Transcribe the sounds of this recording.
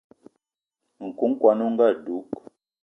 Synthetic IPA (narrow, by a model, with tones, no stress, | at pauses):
ŋ̩˨ku˨˦ŋ̩˦kwa˨nu˦ŋ̩˦ɡa˦˨du˨˦k